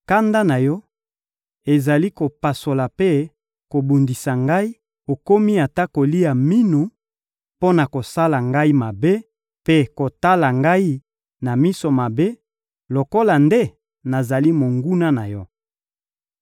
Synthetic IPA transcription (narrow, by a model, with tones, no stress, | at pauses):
ka˦nda˦na˨jɔ˦ | e˨za˨li˦ko˨pa˨so˨la˨pe˦ | ko˨bu˨ndi˨sa˨ŋɡa˦i˦ | o˨ko˦mi˦a˨ta˦ko˨li˦ja˨mi˦nu˨ | po˦na˨ko˨sa˦la˨ŋɡa˦i˦ma˨be˦ | pe˦ko˨ta˦la˨ŋɡa˦i˦ | na˨mi˦so˨ma˨be˦ | lo˨ko˦la˨nde˦ | na˨za˨li˦mo˨ŋɡu˦na˦na˨jɔ˦